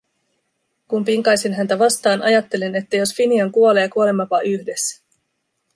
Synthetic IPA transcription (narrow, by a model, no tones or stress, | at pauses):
kumpiŋkɑjsinɦænt̪æʋɑst̪ɑːnɑjɑt̪ːe̞line̞t̪ːæjo̞sfiniɑŋkuo̞le̞ːkuo̞lemɑpɑʔyçde̞sːæ̥